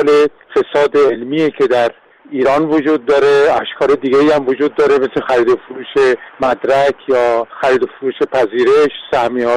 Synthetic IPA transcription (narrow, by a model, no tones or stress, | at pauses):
le | fe̞sɒːd̪eelmiːekʰe̞d̪æɾ | iːɾɒːnvod͡ʒuːd̪̚ːɒːɾeæʃkʰɒːled̪iːɡʲeiæmvod͡ʒuːd̪ːɒːɾe̞meslexæɾiːd̪ofoɾuːʃe̞mæd̪ɾækʰjɒːxæɾiːd̪ofoɾuːʃe̞pʰæziːɾeʃsæhmiɒː